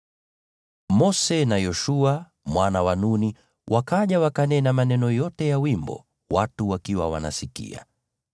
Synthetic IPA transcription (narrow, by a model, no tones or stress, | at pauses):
mɔsɛnajɔʃua | mwanawanuni | wʔakaʄawakanɛnamanɛnɔjɔtɛjawimbɔ̰ | watuwakiwawa̰na̰sikḭa̰